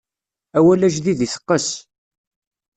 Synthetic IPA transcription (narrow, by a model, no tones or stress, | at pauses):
æwælæʒðiðiθə̥qːəs